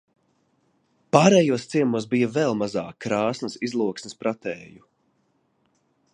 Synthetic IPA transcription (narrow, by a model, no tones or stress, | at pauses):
paːɾɛːjuɔst̪siɛmuɔsbijɐvɛlˠmazaːkːɾaːsnəsizlˠuɔksnʲɪspɾat̪ɛːju